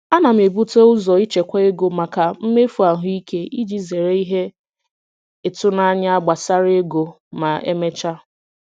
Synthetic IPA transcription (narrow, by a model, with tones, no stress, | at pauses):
a˦na˨m̩˨e˨bu˦te˦ʊ˦zɔ˨i˦t͡ʃe˨kʷa˦e˦ɡo˨ma˨ka˨m̩˦me˦fu˨a˨ɦʊ˦i˦ke˦ʔi˦d͡ʒi˦ze˨ɾe˦i˦ɦe˦ | ɪ˨tʊ˦na˦ɲa˦a˦ɡ͡ba˨sa˦ɾe˦ɡo˨ | ma˨ḛ˦me˦t͡ʃa˦